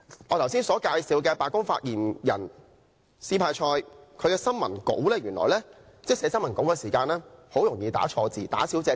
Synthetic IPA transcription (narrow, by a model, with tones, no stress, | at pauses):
ŋɔː˨˧t̪ʰɐ˨˩wsiː˥nsɔː˨˥kaː˧jsiː˨˧wkɛː˧paː˨˧kʊ˥ŋfa̰ː˧t̚jiː˨˩njɐ̰˨˩n | siː˧pʰaː˧jt͡ʃʰɔː˧jkʰɵ˨˧ɥkɛː˧sɐ˥nmɐ˨˩nko̰˨˥wlɛː˥jyː˨˩nlɔ̰ː˨˩jlɛː˥ | t͡sɛ˥sɛː˨˧˥sɐ˥nmɐ˨˩nko˨˥wkɛː˧siː˨˩kaː˧nlɛː˥ho˨˥wjʊ˨˩ŋjiː˧t̪a̰ː˨˥t͡ʃʰɔː˧t͡siː˨˧t̪a̰ː˨˥siː˨˥wt͡sɛː˧